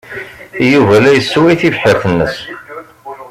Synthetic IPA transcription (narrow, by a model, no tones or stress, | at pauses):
juvælæjəsːwæjθivħəɾθənːəs